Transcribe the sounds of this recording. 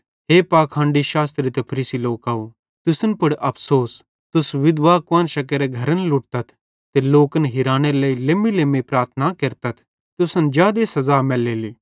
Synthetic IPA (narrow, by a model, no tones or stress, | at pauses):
ɦeːpaːkʰãːɳɖiʃaːst̪ɾit̪ɛpʰɐɾiːsiloːkaːu | t̪ʊsənpʊɽʔɐpʰsoːs | t̪ʊsʋɪd̪ʋaːkʋə̃nʃɐkəɾeɡʱɐɾənlʊʈ̚t̪ɐt̪ʰ | t̪eloːkənɦɪɾaːñeləileːmileːmepɾaːɾt̪ʰnakeɾt̪ɐt̪ʰ | t̪ʊsənd͡ʒjaːd̪esɐzaːmɛːleːliː